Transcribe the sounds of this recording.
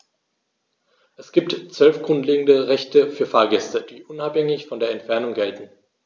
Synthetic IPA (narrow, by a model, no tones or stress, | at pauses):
ʔɛsɡ̥iːp̚tt͡sv̥œlfɡ̥ʁʊntleːɡŋ̩dəʁɛçtəfyːɐfaːɐɡɛstəd̥iːʔʊnaphɛŋɪçfɔndeːɐɛntfɛɐnʊŋɡɛltn̩